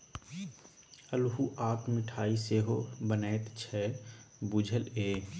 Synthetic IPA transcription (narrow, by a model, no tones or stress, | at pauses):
əlɦuʔaːpmɪʈʰaːiseːɦobənɛːt̪t͡ʃʰɛbud͡ʒʱəleː